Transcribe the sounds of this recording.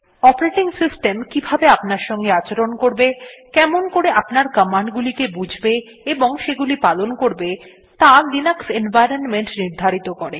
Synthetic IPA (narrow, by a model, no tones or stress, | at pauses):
ɔpoɾeʈiŋsisʈemkibʱabeapnaɾʃɔŋɡeat͡ɕeɾonkoɾbekɛmonkoɾeʔapnaɾkəmaɳɖɡulikebud͡ʑʱbe | eboŋʃeɡulipalonkoɾbe | t̪alinaksenvajɾonmeɳʈniɾd̪ʱaɾit̪okɔɾe